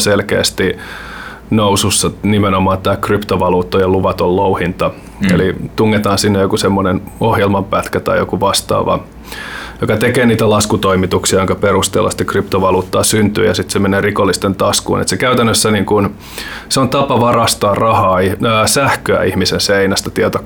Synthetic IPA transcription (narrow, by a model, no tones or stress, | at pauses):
selkḛːst̪i | noususːɑnimenomɑːnt̪æːkript̪oʋɑluːt̪ːojɑluʋɑt̪ollouhint̪ɑ | ḛlit̪uŋːet̪ɑːnsinːejokusemːonen | ohjelmɑmpæt̪kæt̪ɑ̰ijo̰kuʋɑst̪ɑ̰ːʋɑ̰ | jokɑt̪ekeːniːt̪ælɑskut̪oimit̪uksiɑjoŋkɑperust̪ḛːlːɑ̰si̥t̪ːekript̪oʋɑluːt̪ːɑːsynt̪y̰ːjɑsit̪semeneːrikolːist̪ent̪ɑskṵːnḛt̪sekæyt̪ænːøsːæniːŋkun | seont̪ɑpɑʋɑrɑst̪ɑːrrɑhɑːiːsæhkøæ̰ihmisenseinæst̪ɑt̪iɛt̪o